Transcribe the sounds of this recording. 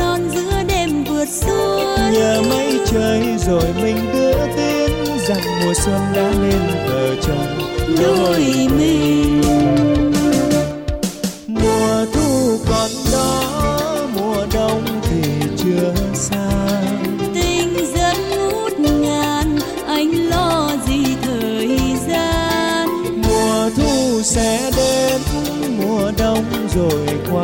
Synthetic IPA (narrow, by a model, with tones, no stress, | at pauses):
nɔ˧˩nzɨ̰˧˥əɗe˧mvɨ˨˩ət̚su˧˦ə | ɲəː˨˩ma˧˦jt͡ɕəː˧˩jzo˨˩jmï˨˩ŋ̟ɗɨ˧˦ət̪i˧ən | za˨˩ŋmu˨˩əsə˧˩mɗaː˨˦mi˧nvəː˨˩t͡ɕə˧˩ŋ͡mɗo˧˩jmi˧ŋŋ | mu˨˩əət̪ʰu˧kɔ˨˩nɗɔ˨˦mu˨˩əɗə˧wŋ͡mt̪ʰi˨˩t͡ɕɨ˧əsaː˧t̪ï˧˩ŋzə˦˥p̚mo˦˥t̚ŋaː˨˩n | ʔa˧˩jŋ̟lɔ˧zi˧˩t̪ʰəː˨˩˨jzaː˧n | mu˨˩əət̪ʰu˧sɛ̰˧˥ɗe˧nʊ˧˥˦ŋ͡m | mu˨˩əɗə˧wŋ͡m | zo˨˩jkwaː˧˦